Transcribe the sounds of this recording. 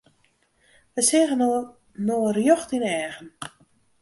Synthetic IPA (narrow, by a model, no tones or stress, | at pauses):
ʋəsɪːɣən | noːrjɔxtinɛːɣən